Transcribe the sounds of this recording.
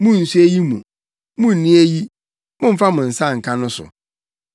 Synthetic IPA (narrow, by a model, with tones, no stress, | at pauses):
mʊ̃˦n̩˨su˦e˦ji˦mṵ̃˨ | mʊ̃˦n̩˨nĩ˦e˦ji˦ | mʊ̃˦m̩˦fa˦mʊ̃˨n̩˨sã˦˨ŋ̩˨kʰã˦nʊ̃˦sʊ̰˨